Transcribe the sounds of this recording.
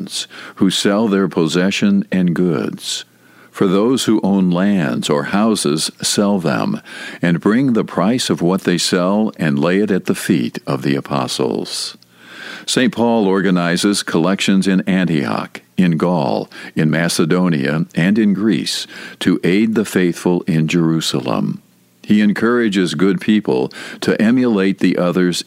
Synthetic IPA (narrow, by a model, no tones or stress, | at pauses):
nz̥husɛlˠðə˞pʰəzɛʃɨ̃nɨ̃nɡʊdz̥ | fə˞ðoʊz̥huʔõʊ̃nlæ̃ndz̥ə˞haʊzɪz̥sɛlˠðə̰̃mɨ̃nbɹɪ̃ŋðəpʰɹ̥aɪsʌvwʌt̪̚ðeɪsɛlˠɨ̃nleɪɨɾɨt̪̚ðɨfḭɾʌvðiɨ̰pʰɑ̰sl̩ˠz̥ | sẽɪ̃npʰɔlˠɔɹɡɨnaɪzɪz̥kʰəlɛkʃɨ̃nzɨ̃næ̃ntḭɑ̰kɨ̃nɡɔ̰lˠɨ̃nmæsɨdõʊ̃nḭɨ̰ɨ̃nɨ̃nɡɹḭstʰɨʔeɪd̪̚ðɨfeɪθfəl̩ˠɪ̃nd͡ʒə˞ʉsl̩ˠə̰̃m | iɨ̃nkʰɜ˞ɨd͡ʒɪzɡʊd̚pʰipl̩ˠtʰɨʔɛ̃mjəleɪt̪̚ðiʔʌðə˞z̥